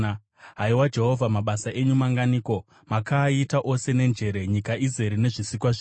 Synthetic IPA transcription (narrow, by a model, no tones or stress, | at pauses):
ɦaiwad͡ʒe̞ɦo̞vʱamaɓasaʔe̞ɲumaŋɡaniːko̞ | makaːitaʔo̞se̞ne̞nd͡ʒe̞ɾe̞ɲikaʔize̞ɾine̞ʐisikwaʐi